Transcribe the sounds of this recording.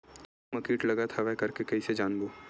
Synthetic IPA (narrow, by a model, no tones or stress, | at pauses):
mɐkiːʈlɐɡat̪ʰaʋɛkɐɾkekɐised͡ʒaːnboː